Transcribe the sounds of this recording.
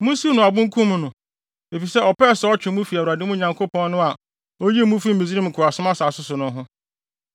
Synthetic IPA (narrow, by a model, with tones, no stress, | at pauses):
mʊ̃˦si˦nʊ̃˨a˨bʊ̃˦ŋ̩˦kʰũ˦m˦nʊ̃˨ | e˨fi˨sɛ˦ɔ˨pɛ˦˨sɔ˦t͡ɕᶣɪ˨mũ˦fi˨a˨wu˨ɾa˨dɪ˦mʊ̃˦ɲã˨ŋkʰo˦pʰɔ̃˦n˦nʊ̃˦a˨ | o˦ji˦mũ˦fi˦m̩˨mĩ˨zi˦ĩ˦m̩˨kʰʊ˨a˨sʊ˦mã˦sa˨sʊ˦sʊ˨nʊ̃˦ɦʊ̃˦